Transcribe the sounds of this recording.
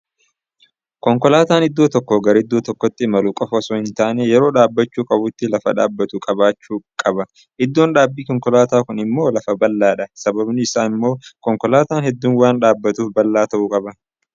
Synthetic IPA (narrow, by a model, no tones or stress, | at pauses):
kɔŋkɔlaːt̪aːnɪd̪ːoːt̪ɔkːɔɡɐɾɪd̪ːoːt̪ɔkːɔt̪ːɪmɐlukʼɔfɐsohɪnt̪aːnejɛɾo̞ːᶑaːbːɐt͡ʃːuːkʼɐbʊt̪ːɪlɐfɐᶑa̰ːbːɐt̪ukʼɐbaːt͡ʃːuːkʼɐbɐ | ʔɪd̪ːo̞ːnᶑaːbːiːkɔŋkɔlaːt̪aːkʊnɪmːo̞ːlɐfɐbɐlːaːᶑɐsɐbɐbnɪɪsaːnɪmːo̞ːkɔŋkɔlaːt̪aːnhɛd̪ːuːnwaːnᶑaːbːɐt̪uːfbɐlːaːt̪ɐʔuːkʼɐbɐ